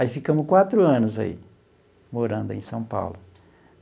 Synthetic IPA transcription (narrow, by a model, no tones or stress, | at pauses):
aifikɐ̃mʊskwat̪ɾʊɐ̃nʊza̰ḭ | moɾɐ̃nd̪ʊẽj̃sɐ̃w̃pa̰wlʊ